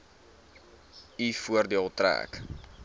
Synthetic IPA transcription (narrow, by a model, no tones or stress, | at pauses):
ifuərdiəlˠtræ̰ːk